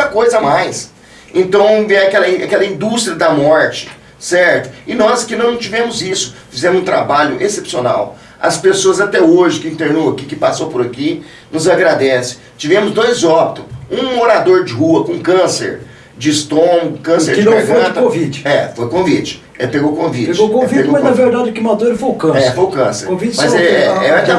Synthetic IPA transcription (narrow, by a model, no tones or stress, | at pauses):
ɐkojzɐmajs | ẽnt̪ɐ̃w̃eɛakɛlɐĩa̰kɛlɐĩnd̪ust̪ɾiɐd̪ɐmɔɾt͡ʃɪ̥ | sɛɾt̪ʊ̥ɪnɔzkɪnɐ̃w̃t͡ʃivẽmʊzisʊ̥fizẽmʊzũt̪ɾabaʎʊʔesepsiona̰w | ɐ̰spesoɐzat̪ɛoʒɪkɪĩnt̪eɾnowɐkikɪpasowpʊɾaki | nʊzaɡɾad̪ɛsɪ̥ | t͡ʃivẽmʊzd̪ojzɔb̚t̪ʊũoɾad̪oɾd͡ʒɪɦuɐkõũkɐ̃sḛɾ | d͡ʒɪːst̪õʊkɐ̃seɾd͡ʒɪkãt̪kõvit͡ʃɪ̥ɛfojʊkõvit͡ʃɪ̥ | epeɡowkõvipet͡ʃɡokõvieɡomɐznɐveɾd̪ad͡ʒʊkimɐd̪oɾɪfojʊkɐ̃sɛɾfojʊkɐ̃sḛɾkõvit͡ʃmɐzɛɛɛki